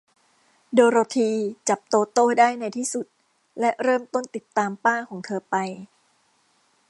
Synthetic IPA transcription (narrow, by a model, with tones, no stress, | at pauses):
doː˧ɾoː˧t̪ʰiː˧t͡ɕa˨˩p̚t̪oː˧t̪oː˥˩daː˥˩jna˧jt̪ʰiː˥˩su˨˩t̪̚ | lɛ˦˥ʔɾɤː˥˩mt̪o˥˩nt̪i˨˩t̪ːaː˧mpaː˥˩kʰɔː˩˦ŋt̪ʰɤː˧pa˧j